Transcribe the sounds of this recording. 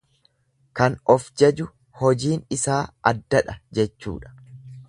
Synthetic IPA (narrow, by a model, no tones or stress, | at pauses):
kɐnɔfd͡ʒɐd͡ʒʊ | hɔd͡ʒiːnɪsaːʔɐd̪ːɐᶑɐd͡ʒɛt͡ʃːṵːᶑɐ̥